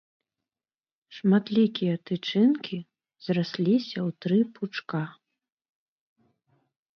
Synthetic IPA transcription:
ʂmat̪lʲikʲijɐt̪ɨt͡ʂɨnkʲi | zrasʲlʲisʲɐwt̪ɾɨpʰut͡ʂka

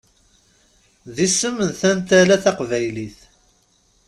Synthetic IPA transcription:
ðisəmːənθænt̪ælæθæqvæjliθ

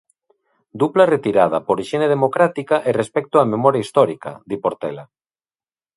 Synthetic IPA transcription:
d̪uplaret̪iɾað̞apoɾiʃeneð̞emokɾat̪ikaʔerespɛk̚t̪oamemɔɾjaist̪ɔɾika̰d̪ipoɾt̪ḛla

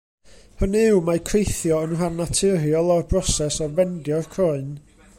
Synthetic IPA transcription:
hənɪwmakʰrejθjɔənrarnatʰɨɾiɔlˠɔrbrɔsɛsɔvɛndjɔrkʰrɔɨn

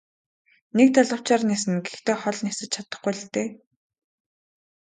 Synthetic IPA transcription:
nek̚t̪ʰaɮə̆w̥t͡ɕaːrneːsɘ̆nɡext̪eːχɔɮnesɘ̆t͡ɕt͡ɕʰat̪ə̆χɡujɮt̪eː

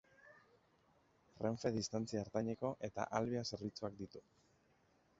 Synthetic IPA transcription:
reɱfe̞ðist̪ant͡siaɾt̪aɲe̞ko̞ʔe̞t̪a̰ʔalβease̞ɾβ̞it͡suak̚d̪it̪u

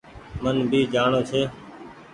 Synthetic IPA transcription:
mənbʱiːd͡ʒaːɳoːt͡ʃʰeː

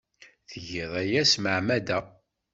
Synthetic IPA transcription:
θəʝiðˤæjæsməʕmæd̪æ

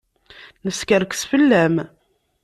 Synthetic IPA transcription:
nəskəɾksfəlːæm

